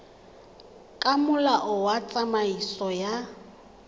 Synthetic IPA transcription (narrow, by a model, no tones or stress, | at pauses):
kʼamʊlaʔʊwat͡sʼamaisɔja